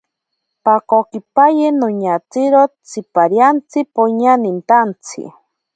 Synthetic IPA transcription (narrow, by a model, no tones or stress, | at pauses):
pakokipajenoɲat͡siɾot͡sʰipaɾjant͡sʰipoɲanint̪ant͡sʰḭ